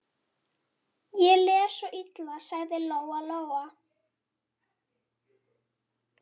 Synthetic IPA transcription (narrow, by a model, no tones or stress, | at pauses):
jɛlɛːsɔʔit̪lasaɣðɪlowaloːwa